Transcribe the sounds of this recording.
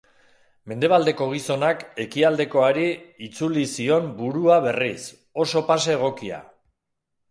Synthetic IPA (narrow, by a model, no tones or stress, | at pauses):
me̞nd̪e̞β̞ald̪e̞ko̞ɣ̞iso̞nake̞kiald̪e̞ko̞aɾiːt͡sulisio̞mbuɾuaβe̞ris | o̞so̞paseːɣ̞o̞kia̰